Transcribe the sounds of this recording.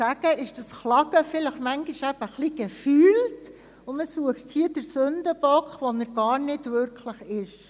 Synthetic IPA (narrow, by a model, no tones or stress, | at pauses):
æɡ̥əɪʃd̥ɑsχlɑɡ̥əfɪləχmæŋɡiʃæb̥əχliɡ̥efyːlt | ʊməsuəχthiədəɾsɵndəb̥ɔkχʋɔnəɾɡɑːɾnɪdvʏɾkʰləχɪʃ